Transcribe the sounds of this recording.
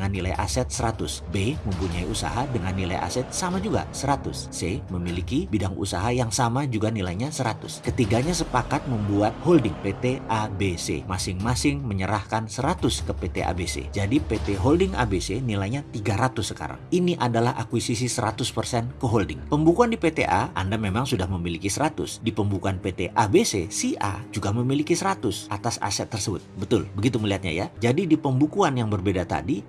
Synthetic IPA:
ŋanːilajʔa̰sɛt̪̚səɾat̪ʊsbeməmpuɲaiʔusa̰ɦadəŋanːila̰jʔa̰sɛt̪̚samad͡ʒuɡa̰səɾat̪ʊsːeməmilikibidaŋʔṵsaɦajaŋsamad͡ʒuɡanilajɲasəɾat̪ʊskət̪iɡaɲasəpakat̪̚məmbuat̪̚holdɪŋpet̪eʔabesḛmasɪŋmasɪŋməɲəɾahkansəɾat̪ʊskəpet̪ḛʔa̰besḛd͡ʒadipet̪eɦoldɪŋʔa̰besenilajɲat̪iɡaɾat̪ʊsːəka̰ɾa̰ŋiniʔadalahʔakwisisisəɾat̪ʊspərsɛnkəɦoldɪŋpəmbukuandipet̪ḛʔaʔa̰ndamemaŋsudahməmilikisəɾat̪ʊ̰sdipəmbukuanpet̪eʔabesesiʔa̰d͡ʒuɡaməmilikisəɾat̪ʊsʔa̰t̪asa̰sɛt̪ːərsəbʊ̰t̪̚bət̪ʊlbəɡit̪uməliɦat̪̚ɲa̰jad͡ʒadidipəmbukuanjaŋbərbedat̪a̰di

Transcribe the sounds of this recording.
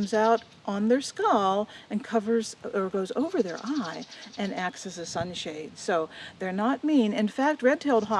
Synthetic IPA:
mzaʊɾ | ʔn̩ðə˞skɑlˠɨ̃nkʰʌvə˞zə˞ɡoʊzo̰ʊvə˞ðə̰˞ʔaɪʔɨ̃næksɨzɨsʌ̃nʃeɪd̥soʊðə˞nət̚mĩnɪ̃nfæk̚t̚ɹɛd̚tʰeɪlˠd̚ɦɑ

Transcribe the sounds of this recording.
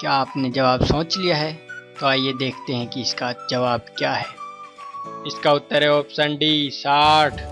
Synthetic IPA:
kjaaːpned͡ʒɐʋaːbsõːt͡ʃlijaɦɛt̪oaːjed̪eːkʰt̪eɦɛ̃kiɪskad͡ʒɐʋaːb̚kjaːɦɛː | ɪskaʊt̪ːəɾeoːpsɐ̃ɳɖisaːʈʰ

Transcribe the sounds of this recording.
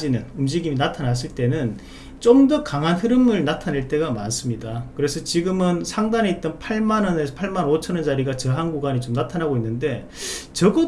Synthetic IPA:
d͡ʑinɯnumd͡ʑiɡiminatʰanas̬͈ɯɭt͈e̞nɯn | t͡ɕ͈omdʌkaŋɦanɸɯɾɯmɯɭnatʰaneɭt͈e̞ɡamans͈ɯmɲidakɯɾe̞sʰʌt͡ɕiɡɯmɯnsʰaŋdaneit̚t͈ʌnpʰaɭmanʌnepʰaɭmanot͡ɕʰʌnʌnd͡ʑaɾiɡat͡ɕʌɦanɡuɡaɲit͡ɕomnatʰanaɡoinːɯnde̞ | t͡ɕʌɡʌ

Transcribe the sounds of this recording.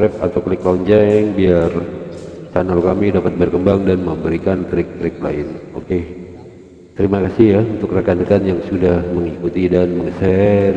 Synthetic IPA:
ɾɛp̚a̰t̪awkəlɪkloɲd͡ʒɛŋbiar | sa̰nalkamidapat̪̚bərkəmbaŋdanməmbəɾikant̪ɾɪk̚t̪ɾɪk̚la̰ɪno̰ke | t̪əɾimakasɪhjaunt̪ʊkrakanəkanjaŋsudahməŋikut̪idanməŋəsɛ

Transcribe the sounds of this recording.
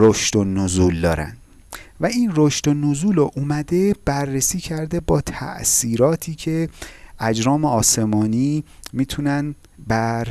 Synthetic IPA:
ɾoʃt̪onozuːld̪ɒ̰ːɾæ̰nd̪̥ | væiːnroʃt̪onozuːloʔumæd̪e̞b̥ærːesiːcʰæɾd̪e̞bɒːt̪ʰæ̰ʔsiːɾɒːt̪ʰiːcʰe̞æd͡ʒɾɒːmeɒːse̞mɒːniːmiːt̪ʰunæn | bæɾ

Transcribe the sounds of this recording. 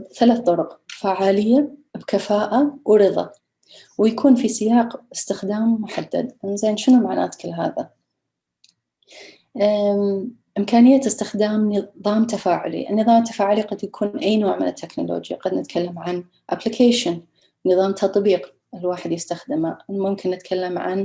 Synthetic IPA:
θalaθt̪ˤʊɾʊqfaʕaːlɪjːabkafaːʔawɾɨðˤɑ̰ | wjakʰuːnfisɪjaːqɪst̪ɪxd̪aːmmʊħad̪ːa̰d̪nzaːjːnʃɪnumaʕna̰ːt̪kɪlːɦa̰ːða̰ | ʔɪmkaːnɪjːat̪ɪst̪ɪxd̪aːmnɨðˤɑːmt̪afaːʕʊ̰lḭʔɪ̰nːɨðˤɑːmt̪ːḁfaːʕʊliqad̪jakʰuːnʔajnoːʕmɪ̰nɪt̪ʰːeknʊ̰lo̰ːd͡ʒja̰qɑd̪nɪt̪kʰalːamʕan | ʔa̰plikʰeːʃʊn | nɨðˤɑːmt̪ʰɑt̪ˤbiːq | ɪlwaːħɪd̪jɪst̪axd̪ɪmamʊmkʰɪnːɪt̪kʰalːamʕa̰n

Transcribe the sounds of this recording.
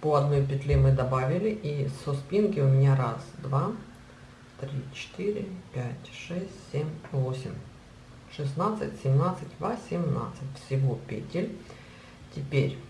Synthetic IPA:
poɐd̪nojpʲɪt̪lʲemɨd̪ɐbavʲɪlʲɪʔisʊspʲinkʲɪʊmʲɪnʲaɾasd̪va | t̪ɾʲit͡ɕɪ̥t̪iɾʲɪpʲætʲʂɛsʲtʲsʲemʲvo̞sʲɪ̰mʲ | ʂɨsnat̪sɨ̰tʲsʲɪmnat̪sɨtʲvasʲɪmna̰t̪sɨtʲfsʲɪvopʲɪ̰tʲɪlʲ | tʲɪpʲeɾʲ

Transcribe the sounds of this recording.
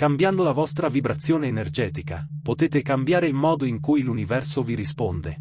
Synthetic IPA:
kambjand̪olavɔst̪ɾavibɾat̪sːjoːneːnerd͡ʒɛːt̪ika̰pot̪eːt̪ekambjaːɾelmɔːd̪oiŋkujlunivɛrsoviɾispond̪e

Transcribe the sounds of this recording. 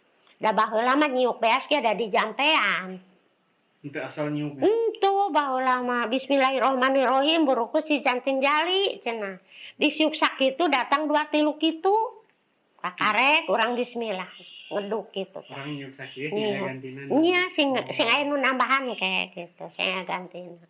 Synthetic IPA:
dabaɦulamaɲiuk̚beasɡiadadid͡ʒampean | t̪saɲikn̩t̪ubaɦulamabismilaɦiɾɔhmaniɾoɦimbəɾukusid͡ʒant̪iŋd͡ʒalit͡ʃənadisiuk̚sak̚ːit̪udat̪aŋduat̪ilukit̪u | kakaɾɛkuɾaŋbismilahŋəduk̚ɡit̪ṵkɲiuk̚ɲasiŋsiŋainunambaɦankɛɡit̪usḭŋaɡant̪inan

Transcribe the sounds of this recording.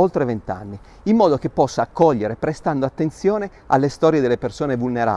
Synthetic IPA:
olt̪ɾevent̪a̰nːi | imːɔːd̪ok̟epːɔsːaːkʰːɔʎːeɾepɾest̪and̪oat̪ːent̪sjoːne | alːest̪ɔːɾjed̪elːepersoːnevulneɾa̰

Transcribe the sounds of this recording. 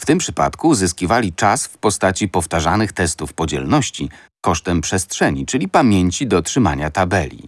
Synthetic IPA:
ft̪ɘmpʂɘpa̰t̪kuzɘskʲivalʲit͡ʂasfpɔst̪at͡ɕipɔft̪aʐanɘxt̪ɛst̪ufpɔd͡ʑɛ̰lnɔɕt͡ɕi | kɔʂt̪ɛmpʂɛstʂɛɲit͡ʂɘlʲipamʲjeɲt͡ɕid̪ɔtʂɘma̰ɲat̪abɛlʲḭ

